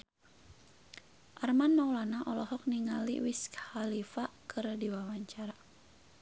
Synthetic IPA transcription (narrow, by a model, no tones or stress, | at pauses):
ʔarmanːawlanaʔɔlɔɦɔk̚niŋalḭwiskhalifakɨrdiwawaɲt͡ʃaɾa